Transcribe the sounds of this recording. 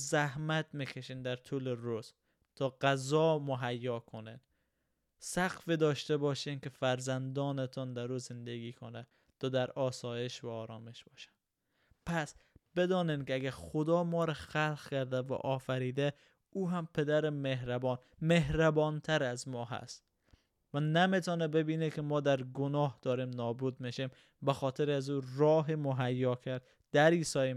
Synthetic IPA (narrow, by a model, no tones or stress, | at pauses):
zæhmæt̪mikʰeʃiːnd̪æɾt̪ʰuːleɾuz̥ | t̪ʰɒːɢæzɒːmoɦæjːɒːkʰonḛd̪ | sæqfid̪ɒːʃt̪ebɒːʃinkefæɾzænd̪ɒːnet̪ʰɔnd̪æɾuːzend̪eɡiːkʰonɛ | t̪ʰɒːd̪æɾɒːsɒːjeʃvæɒːɾɔːmeʃb̥ɒːʃæ̥n | pʰæsb̥ed̪ɒːnenkɪæɡæɾχod̪ɒːmɒːɾaxælqkæɾd̪æva̰ʔɔːfæɾiːd̪æ | uːɦæmpʰed̪æɾemeɦɾæbɔn | meɦɾæbɒnt̪ʰæɾæzmɒːɦæ̰st̪ | vænæmet̪ʰɔnɛbebinekemɒːd̪æɾɡonɒːhd̪̥ɒːɾemnɒːbud̪meʃem | bæxɔt̪ʰeɾæzuɾɒːɦemoɦæjːɒkʰæɾd̪ | d̪̥æɾisɒː